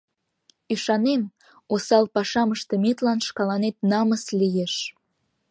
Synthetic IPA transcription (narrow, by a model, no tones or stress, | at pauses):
yʃɑnem | osɑlpɑʃɑməʃt̪ə̆met̪lɑnʃkɑlɑnet̪nɑməslijeʃ